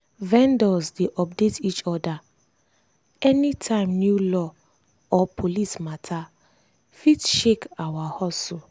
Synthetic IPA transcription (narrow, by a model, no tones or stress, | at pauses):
vɛ̃ndɔsdeʔɔp̚detʰit͡ʃɔda | ɛnitʰãɪ̃mnjulɔ | ɔpʰolismatʰa | fitʃekawahɔso